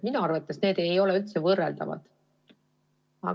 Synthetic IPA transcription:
minuɑɾvɑt̪ːˑesne̞ːd̪̥e̞jo̞lɛylt̪se̞vɤrːeld̪ɑ̰vɑ̰d̪̥ | ɑ̰

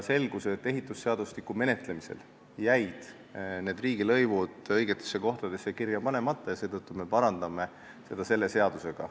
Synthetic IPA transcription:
se̞lɡ̥uset̪ːˑe̞ɦit̪ːˑusːe̞ɑd̪̥uslikːume̞ne̞t̪ˑle̞mise̞̰l | jæjd̪̥ | ne̞ːd̪riːɡilɤjvud̪̥ɤ̞jɡ̥et̪ːˑesːeko̞ht̪ɑd̪e̞sːekirjɑpɑne̞mɑt̪ːˑɑjɑse̞ːt̪ɤt̪ːume̞pɑɾɑnd̪̥ɑme̞ | se̞d̪̥ɑse̞lːe̞se̞ɑd̪̥use̞ɡ̥ɑ̰

